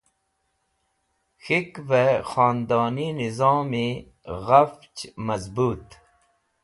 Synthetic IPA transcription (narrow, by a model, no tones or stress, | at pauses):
xikvexɑːnd̪ɑːninizɑːmi | ɣaft͡ʃmɐzbuːt̪